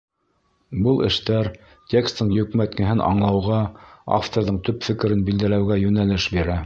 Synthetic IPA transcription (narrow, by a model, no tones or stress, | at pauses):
bɤlˠɘ̰̆ʃt̪æɾ | tʲekst̪ɤɴjɵ̆kmæt̪kɘ̆ɦɘnʔɑ̰ɴlˠɑwʁɑa̰ft̪oɾðɤɴt̪ɵpfɘ̆kɘ̆ɾɘnbild̪ælæwɡæjʉnælɘʃbiɾæ